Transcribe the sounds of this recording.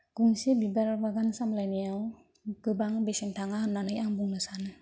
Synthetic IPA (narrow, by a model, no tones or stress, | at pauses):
ɡ̥uŋsebibaɾbaɡansamlajnijaw | ɡɯbaŋbesintaŋannːanɯjaŋbuŋnɯsanɯ